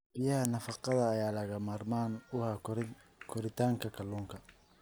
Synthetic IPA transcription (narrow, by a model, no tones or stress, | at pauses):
b̥ɪjɐhɐnɐfɑqɑðɐːjaːlɐɣɐmaːrmaːnʊhaː | kʰɔɾɪt̪ʰaːŋkʰɐkʰɐluːŋkʰɐ